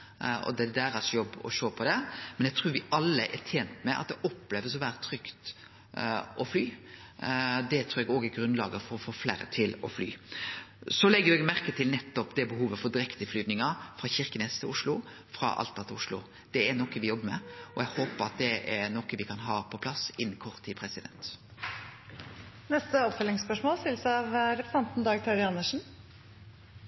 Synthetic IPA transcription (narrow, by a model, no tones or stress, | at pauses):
ɔ̰d̪ɛd̪æːɾɑsjɔbːɔ̰ʃoːpʰɔd̪ɛmɛnɛɡt̪ʰɾuːɾʋɪɑlːəʔɛ̰t̪ʰeːnt̪mɛʔɑ̰t̪̚d̪ɛʔɔpːleːʋəsɔʋæːɾət̪ʰɾʏkt̪ | ʔɔflyː | d̪ɛt̪ʰɾuːɛɡoːɡɛɾɡɾʉnlɑ̰ːɡəfɔɾɔfoːfleːɾə̰t̪ʰɪlɔfly̰ː | sɔlɛɡːəjʊɛɡmæɾkət̪ʰɪlnɛt̪ːɔpd̪ɛbəɦuːʋəfɔd̪ɪɾɛkt̪əflyːd̪nɪŋɑfɾɑçɪʁkənɛst̪ʰɪʊʂlʊ | fɾɑ̰ʔɑ̰lt̪ːɑt̪ʰɪʊʂlʊ̰ | d̪̥ɛɛnɔkːəʋɪjɔbːəɾmɛ̰ɔɛɡhoːpəɾɑ̰t̪̚d̪ɛʔɛɾnɔkːəʋɪkʰɑnɦɑːpʰɔpʰlɑsɪnːnkʰɔʁt̪ʰːɪpʰɾɛsɪd̪ɛ̰nt̪ | nɛst̪əɔpfœlɪŋspœʂmoːlst̪ɪlsɑʋɾɛpʰsɑnt̪n̩d̪ɑːɡt̪ʰɑɾɪɑnːəʂn̩